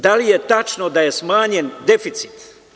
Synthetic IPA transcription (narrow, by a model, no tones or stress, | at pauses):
d̪alije̞t̪at͡ʃnod̪aje̞smaːɲe̞nd̪e̞fit̪si̥t̪